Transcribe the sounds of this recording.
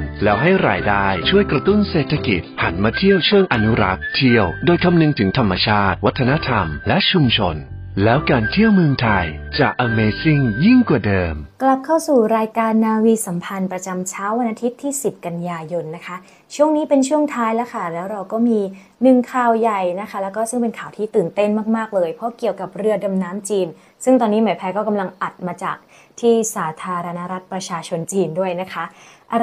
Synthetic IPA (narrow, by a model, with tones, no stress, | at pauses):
lɛː˦˥wɦa˥˩jɾa̰ː˧jdaː˥˩jt͡ɕʰu˥˩əjkɾa˧t̪u˥˩nseː˨˩t̪ʰːa˧ki˨˩t̪̚ha̰˩˦nmaː˧t̪ʰi˥˩əwt͡ɕʰɯ˥˩ŋʔa˧nu˦˥ɾa̰˦˥k̚t̪ʰi˥˩əwdoː˧jkʰa˧mnɯ˧ŋt̪ʰɯ˩˦ŋt̪ʰa˧mːa˧t͡ɕʰaː˥˩t̪̚wa˦˥t̪ʰːa˧na˦˥t̪ʰa˧mlɛ˦˥ʔt͡ɕʰu˧mt͡ɕʰo̰˧n | lɛː˦˥wkaː˧nt̪ʰi˥˩əwmɯ˧əŋt̪ʰa˧jt͡ɕaː˨˩k̚ʔa˧meː˧si˥˩ŋji˥˩ŋkwaː˨˩dɤː˧mkla˨˩p̚kʰa˥˩wsuː˨˩ɾaː˧jkaː˧nːaː˧wiː˧sa˩˦mpʰa˧npɾa˧t͡ɕa˧mt͡ɕʰaː˦˥wa˧nʔaː˧t̪ʰi˦˥t̪ʰːiː˥˩si˨˩p̚ka˧njaː˧jo˧nːa˦˥kʰa˦˥ | t͡ɕʰu˥˩əŋniː˦˥pe˧nt͡ɕʰu˥˩əŋt̪ʰaː˦˥jlɛ˦˥kʰa˥˩lɛː˦˥wɾa˧wkɔː˥˩miː˧ | nɯ˨˩ŋkʰaː˧˩wja˨˩jna˦˥kʰa˦˥lɛː˦˥wkɔː˥˩sɯ˥˩ŋpe˧nkʰaː˨˩wt̪ʰiː˥˩t̪ɯː˨˩nt̪e˥˩nmaː˥˩k̚maː˥˩k̚lɤː˧jpʰɔ˦˥ki˨˩əwka˨˩p̚ɾɯ˧əda˧mnaː˦˥mt͡ɕiː˧n | sɯ˥˩ŋt̪ɔː˧nːiː˦˥maː˨˩˦jpʰɛː˧˥kɔː˥˩ka˧mla˧ŋʔa˨˩t̪̚maː˧t͡ɕa̰ː˨˩k̚ | t̪ʰiː˥˩saː˩˦t̪ʰaː˧ɾa˧na˦˥ɾa˦˥t̪̚pɾa˧t͡ɕʰaː˧t͡ɕʰo˧nt͡ɕiː˧ndu˥˩əjna˦˥kʰa˦˥ʔʔa˧